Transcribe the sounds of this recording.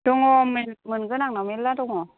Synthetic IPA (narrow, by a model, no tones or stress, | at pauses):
doŋɔminmɯnkɯnaŋnɔmiladoŋɔ